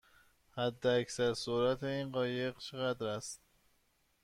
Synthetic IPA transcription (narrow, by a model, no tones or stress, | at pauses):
hæd̪ːeæcsæɾsoɾæt̪ʰeiːnɢɒːje̞ɣt͡ʃʰeɣæd̪ɾæst̪̚